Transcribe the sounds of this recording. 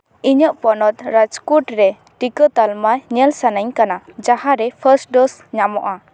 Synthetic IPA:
iɲəʔpɔnɔt̪̚ɾad͡ʒkuʈɾɛ | ʈikət̪almajɲɛlsanaɲkanad͡ʒaɦaɾɛpʰəɾsʈ̚ɖɔsɲamɔʔa

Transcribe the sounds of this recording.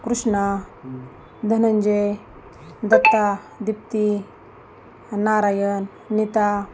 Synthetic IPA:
kɾuʂɳa | d̪ʱɐnɐnd͡ʒej | d̪ɐt̪ːa | d̪ip̚t̪i | naːɾaːjənː | it̪a

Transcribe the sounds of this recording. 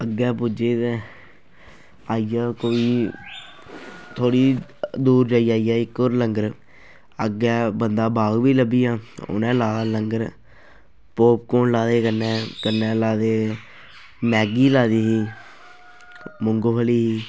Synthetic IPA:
əɡːɛːpud͡ʒeːt̪ɛː | aːijaːkoːiː | t̪ʰoːɽiːd̪uːɾd͡ʒaːiːaːiːaːɪkːoːɾləŋɡəɾ | əɡɛːbənd̪aːbaːɡʋiːləbiːaːo̰nɛ̃ːlaːaːləŋɡəɾ | poːp̚koːnlaːd̪eːkəɾnɛːkəɾnɛːlaːd̪eː | mɛːɡiːlaːd̪iːɦiː | mʊŋɡoːpʰəliːɦiː

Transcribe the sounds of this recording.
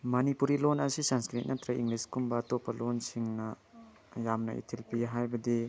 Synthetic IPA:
mɐnipuɾilonɐsisanskɾit̚nɐt̪ʰɾɐḭŋɡliskumbɐːtopːɐlonsiŋnɐ | jamnɐ̰ḭtʰilpiɦajbɐdi

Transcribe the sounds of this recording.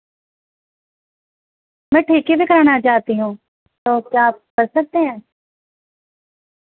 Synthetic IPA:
mɛ̃ːʈʰiːkiːbiːkəɾaːnaːt͡ʃaːt̪iːɦũː | t̪oːkjaːp̚kəɾsək̚d̪eːɦɛ̃ː

